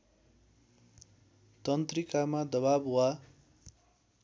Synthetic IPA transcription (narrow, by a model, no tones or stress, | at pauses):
t̪ʌnt̪rikamad̪ʌβabwa